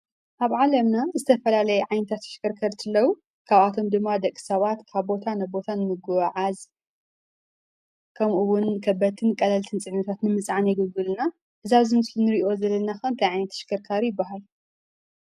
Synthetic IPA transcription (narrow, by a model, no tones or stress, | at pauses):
ʔaβʕalɐmnazɨt̪ʰɐfɐlalɐjɛʕajnɐt̪ʰat̪ʰːʃɪ̥kʰɐɾkʰɐɾt̪ʰɨlːɐwu | kʰaβat̪ʰo̞md̪ɨmːad̪ɐkʼːɨ̥sɐβat̪kʰaβbo̞t̪ʰanɐbo̞t̪ʰanɨmɨɡuwʕaz | kʰɐmʔuwʊnkʰɐbːɐt̪ʰɨnkʼɐlɐlt̪ʰɨnt͡sʼɨʕnɐt̪ʰat̪nɨmɨsʼʕanjɨɡɨɡɨlna | ʔɨzaβzɨmɨslunɨɾiʔo̞zɐlːɐnaxɐnt̪ʰɐjʕajnɐt̪ʰːɐ̥ʃɪ̥kʰɐɾkʰaɾjɪbːaɦal